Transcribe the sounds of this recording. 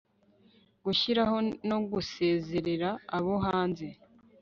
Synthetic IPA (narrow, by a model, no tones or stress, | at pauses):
ɡuçiɾaɦo̞noɡuse̞ːze̞ɾe̞ɾaːβoɦaːnze̞